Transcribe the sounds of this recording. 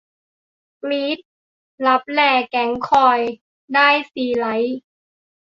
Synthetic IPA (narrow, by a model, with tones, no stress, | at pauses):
kliː˦˥t̪̚ | la˦˥p̚lɛː˧˩kɛ˩˦ŋkʰɔː˧˩j | daː˥˩jsiː˨˩la˩˦j